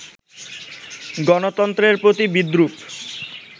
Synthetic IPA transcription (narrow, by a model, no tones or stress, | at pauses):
ɡɔnot̪ɔnt̪ɾeɾpɾot̪ibid̪ɾup